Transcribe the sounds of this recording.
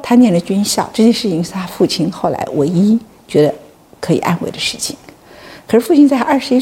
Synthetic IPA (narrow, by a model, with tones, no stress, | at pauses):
t̪ʰa˥njɛ˥˩ndə˩t͡ɕi˥nɕjɑ˥˧ʊʈ͡ʂɤ˥˧t͡ɕjɛ˥˧nʂɻ̩˥˩i˧˥ŋsa˥fu˥˩t͡ɕʰi˥nxo˥˩ʊla̰˧˥ɪwɪi˥ | t͡ɕɥɛ˧˥d̪ə˧ | kʰɤ˧˥i˨˩ʔa̰˥˧nwe˥˩ɪd̪ə˧˦ʂɻ̩˥˩t͡ɕʰi̥˨˩˦ŋ | kʰɤ˨˩ʂɻ̩˥˩fu˥˩i˥nt͡sa˥˧ɐ˞˥˩ʂɻ̩˧˥i˥